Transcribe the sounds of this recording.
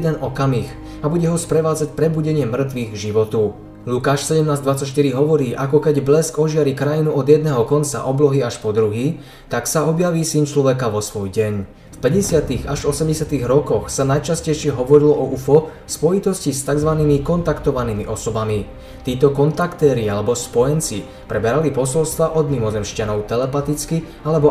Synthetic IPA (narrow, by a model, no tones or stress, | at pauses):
d̪ɛnɔkamiːx | abuɟɛɦɔspɾɛʋaːd͡zacpɾɛbuɟɛɲɪɛmr̩t̪ʋiːɣɡʒiʋɔt̪u | lukaːʃsɛɟɛmnaːzd̪ʋat͡sːacʃ̬t̪iɾiɦɔʋɔɾiːʔakɔkɛɟblɛskɔʒɪaɾiːkɾajinuɔd̪jɛd̪̚nɛːɦɔkɔnt͡sa̰ʔɔblɔɦiaʃpɔd̪ɾuɦiː | t̪aksaɔbjaʋiːsint͡ʃlɔʋɛkaʋɔsʋɔjɟɛɲ | fpɛɟɛsɪat̪iɣaʒɔsɛmɟɛsɪat̪iɣɾɔkɔxsanajt͡ʃascɛjʃɪɛɦɔʋɔɾilɔʔɔʔufɔ | spɔjit̪ɔscist̪aɡzʋaniːmikɔnt̪akt̪ɔʋaniːmiʔɔsɔbami | t̪iːt̪ɔkɔnt̪akt̪ɛːɾialɛbɔspɔjɛnt͡si | pɾɛbɛɾalipɔsɔlst̪ʋaʔɔd̪mimɔzɛmʃcanɔʊt̪ɛlɛpat̪it͡ski | alɛbɔ